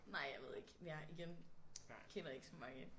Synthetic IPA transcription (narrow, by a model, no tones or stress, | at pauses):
nɑ̈ɪ̰jäɪʋe̝ð̞̰ˠeɡ̥mjʔiɡ̥en | kʰenɐe̝ɡ̥sɒ̽mɑ̈ŋə